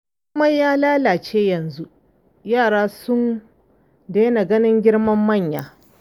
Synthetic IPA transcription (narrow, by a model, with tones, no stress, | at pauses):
kʷʊ˦mɐ˦jaː˦laː˦laː˨t͡ʃeː˦jɐ˨nzu˦ʔ | jaː˦˨ɽaː˦sʊ˦n | deː˦na˨ɡɐ˦nɪ˦ŋɡʲɪ˦ɽmɐ˦mːɐ˦˨ɲjaː˨